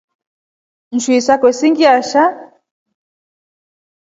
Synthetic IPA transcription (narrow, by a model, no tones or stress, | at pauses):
n̩ʃwisakwɛsiŋɡiaʃa